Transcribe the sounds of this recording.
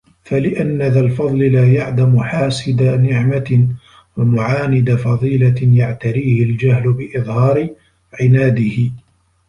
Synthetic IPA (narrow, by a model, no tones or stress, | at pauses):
falɪʔanːaðalfɑðˤlɪlaːjaʕd̪amʊħaːsɪd̪anɪʕma | wamʊʕaːnɪd̪afɑðˤiːlajaʕt̪aɾiːhɪld͡ʒaɦlʊbɪʔɨðˤhɑːɾɪ | ʕɪnaːd̪ɪhɪ